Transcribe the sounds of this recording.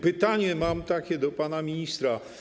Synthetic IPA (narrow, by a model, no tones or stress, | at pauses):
pɘt̪aɲɛmamt̪akʲɛd̪ɔpanamʲiɲist̪ɾa